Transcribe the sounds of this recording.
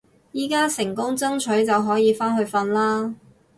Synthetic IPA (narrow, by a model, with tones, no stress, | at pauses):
jiː˨kaː˥sɪ˨˩ŋkʊ˥ŋt͡sɐ˥ŋt͡ʃʰɵ˨˥ɥt͡sɐ˨wɦɔː˨˥jiː˨˧faː˥nhɵ˧ɥfɐ˧nlaː˥